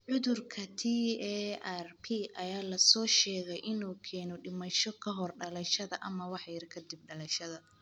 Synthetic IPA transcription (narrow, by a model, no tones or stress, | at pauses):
ʕʊðʊrkʰɐt̪ʰiɛɛrpʰiʔɐjaːlɐsɔːʃɛːɣɛjʔɪnuːkʰɛːnɔɖɪmɐʃɔkʰɐɦɔrɖɐlɛʃɐðɐʔɐmɐwɑħjɪɾkʰɐd̪ɪb̚ɖɐlɛʃɐðɐ